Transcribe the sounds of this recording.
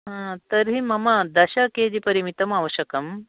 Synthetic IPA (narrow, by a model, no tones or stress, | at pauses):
ɦãt̪ɐɾɦimɐmɐd̪ɐɕɐkeːd͡ʒipɐɾimit̪ɐmaːʋɐɕɐkɐm